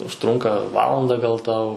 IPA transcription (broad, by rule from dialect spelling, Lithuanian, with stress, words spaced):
ʊʃˈtrʊŋkɐ ˈʋɑːlˠɐndɐ ɡɐlˠ ˈtɐʊ